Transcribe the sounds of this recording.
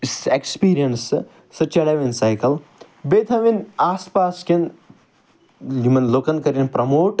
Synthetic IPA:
sekspiːɾijɐns | sɐt͡ʃɐɽɐʋinsajkɐl | bet̪ʰɐʋinaːspaːsken | umɐnloːkɐnkɐɾinpɾɐmoːʈ

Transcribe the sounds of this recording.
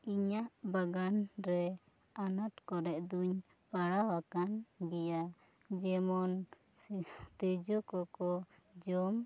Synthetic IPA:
iɲaʔbaɡanɾɛ | anat̪kɔɾɛʔd̪uɲ | paɽawakanbija | d͡ʒɛmɔn | t̪ɛd͡ʒɔkɔkɔ | d͡ʒɔm

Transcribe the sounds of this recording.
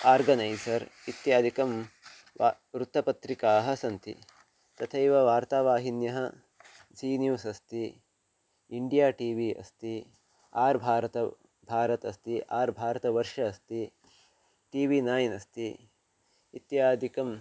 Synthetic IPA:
aːɾɡɐnɐjsɐɾit̪jaːd̪ʱikɐm | ʋɾut̪ːɐpɐt̪ɾikaːɦɐsɐnt̪ḭ | t̪ɐt̪ʰɐiʋɐʋaːɾt̪aːʋaːɦinjɐɦɐ | siːnjuːsɐst̪i | iɳɖijaːʈiːʋiɐ̰st̪i | aːɾbʱaːɾɐt̪ɐ | bʱaːɾɐt̪ɐst̪iʔaːɾbʱaːɾɐt̪ɐʋɐɾʃɐːst̪i | ʈiːʋinaːjnɐst̪i | it̪jaːd̪ʱikɐm

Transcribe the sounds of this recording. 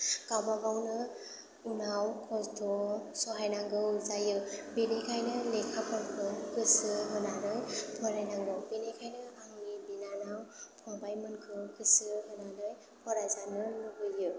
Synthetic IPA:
kawbabawnɯ | unawkʰɔsdɔsɔɦajnaŋɡɯzajɯbinekʰajnɯlekʰapʰɔnkʰɯkɯsɯɦɯnanɯjpʰɔɾajnaŋɡɯbinekʰajnɯhaŋɡibinanawpʰɔbajmɯnkʰɯkɯsɯɦɯnanɯj | pʰɔɾajzanɯnɯɡɯjɯ

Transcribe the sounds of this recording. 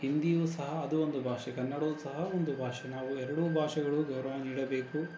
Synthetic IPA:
hind̪ijuːsɐɦɐːd̪uond̪ubʱaːʂɐkɐnːɐɽɐːsɐɦɐond̪ubʱaːʂɐnaːʋuɛɾɐɽubʱaːʂɐɡɐɭuɡɐwɾɐʋɐniːɽɐbe̞ːku

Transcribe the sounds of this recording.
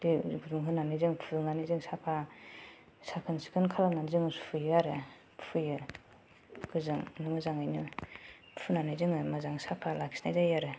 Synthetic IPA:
diɡʰuduŋɦɯnanɯjzɯŋpʰuɯŋnanizɯŋsapʰa | sakʰɯnsi̥kʰɯnkʰalananzɯŋspʰujɯaɾɯ | pʰujɯ | ɡɯzɯŋnɯŋɯzaŋajnɯ | pʰunanɯzɯŋɯmazaŋsapʰalakʰsnajzajaɾɯ

